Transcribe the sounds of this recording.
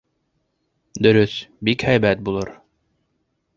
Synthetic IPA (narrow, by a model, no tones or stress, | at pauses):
d̪ɵ̆ɾɵθbikhæjbæt̪̚bulˠɤɾ